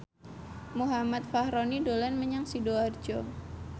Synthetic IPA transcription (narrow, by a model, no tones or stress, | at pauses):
muɦamat̪̚fahɾonidolɛnməɲaŋsidoard͡ʒo